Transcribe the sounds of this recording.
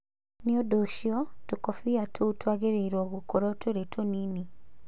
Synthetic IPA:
niodoʃiɔtukofiatʰutwaɣeɾeiɾwɔɣukoɾotʰoɾetʰonini

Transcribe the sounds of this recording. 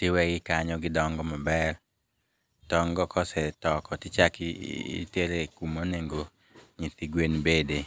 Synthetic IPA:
tɪwɛɡɪkaɲɔɡɪdɔŋɡɔmɔbɛr | tɔŋɡɔkɔsɛtɔkɔtɪt͡ʃakː | teɾekumoneŋɡo | ɲit̪iɡwenbede

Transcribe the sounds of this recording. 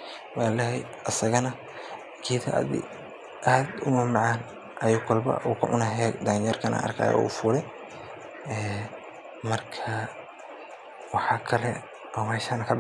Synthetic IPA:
waːlɛhɛj | ʔɐsɐɣɐnɐ | kʰiːt̪ʰa̰ðḭ | ʔaːd̪ʊmɐːmɑʕɑːn | ʔɐjuːkʰɐlbɐ̰ʔuːkʰʊ̰ʕʊnɐɦɛd̪aːnjɛrkʰɐnʔɐ̰ːʔɐ̰rkʰa̰ːjɔ̰ṵfuːɾɛ | ɛː | mɐrkʰɐ | wɑħɑːkʰɐlɛ | ɔːmɛːʃaːnɐkʰɐb

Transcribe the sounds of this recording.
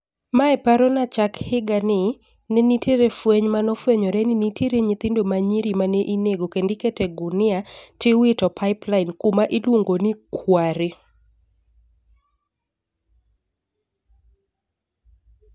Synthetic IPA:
maɛpaɾɔnat͡ʃakhɪɡanɪ | nenitʰeɾefweɲmanɔfweɲɔɾɛninitʰeɾeɲɪt̪ɪndomaɲiɾimaneʔineɡokendɪketɛɡʊnɪatɪwɪtɔpʰaɪplainkumaʔilwoŋɡonikwaɾɪ

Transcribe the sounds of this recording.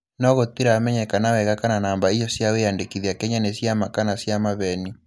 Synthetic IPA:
nɔɣot̪iɾaːmɛɲɛkanawɛɣakananaːmbaijɔsjaweandekiðiakɛɲanesjamakanasjamaβɛni

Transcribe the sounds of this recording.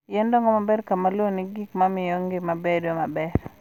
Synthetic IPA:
jɛndɔŋɡɔmabɛɾkamalwoniɡikmamɪjoŋɡɪmabedomabɛr

